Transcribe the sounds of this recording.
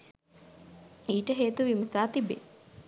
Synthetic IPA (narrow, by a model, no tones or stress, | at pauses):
iːʈəɦeːt̪uʋimət̪aːt̪ibḛ